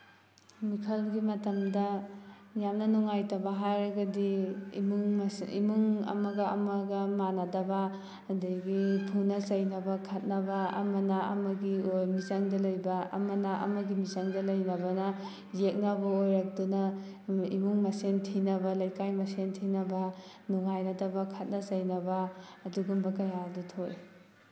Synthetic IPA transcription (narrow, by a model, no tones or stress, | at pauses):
mikʰɐlɡimɐtɐmdɐ | jamnɐnɔŋajtabɐɦajɾɐɡɐdimuŋḭmuŋɐ̰maɡɐ̰ːmaɡɐmanadɐba | ɐdaɡipʰunɐsɐjnɐbɐkʰɐt̚nɐbɐ̰ːmɐnaɐ̰mɐɡiojmizaŋdɐlojbɐɐ̰mɐnaʔɐ̰mɐɡimizaŋdɐlɐjnɐbɐnɐ | zek̚nɐbɐojɾak̚dunɐ | ḭmuŋmɐsentʰinɐbɐlɐjkajmɐsentʰinɐbɐ | nuŋajnɐdɐbɐkʰɐt̚nɐzɐjnɐbɐːduɡumbɐkɐjadutʰoj